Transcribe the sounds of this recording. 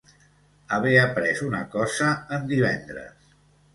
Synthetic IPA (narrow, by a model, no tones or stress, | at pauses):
əβ̞ɛəpɾɛzunə̰kɔzəːnd̪iβɛnd̪ɾə̰s